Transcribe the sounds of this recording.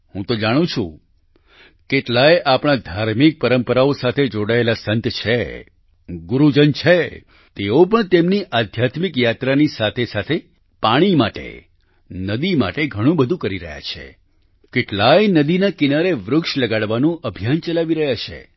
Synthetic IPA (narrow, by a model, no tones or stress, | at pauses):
hũt̪od͡ʒaɽ̃ũt͡ʃʰṵ̃ | keʈlajeʔapɽ̃ad̪ʱaɾmik̚pəɾəmpəɾaosat̪ʰed͡ʒoɽaelasənt̪t͡ʃʰe | ɡuɾud͡ʒənt͡ʃʰe | t̪eop̬əɳt̪emniʔad̪ʱjat̪mikjat̪ɾanisat̪ʰesat̪ʰe | paɽ̃imaʈḛ | nəd̪ima̰ʈeɡʱəɽ̃ũbəd̪ʱũkəɾiɾə̰ɦja̰t͡ʃʰḛ | keʈlajnəd̪inakinaɾeʋɾʊkʃləɡaɽʋanũʔəbʱijant͡ʃəlaʋiɾəɦjat͡ʃʰḛ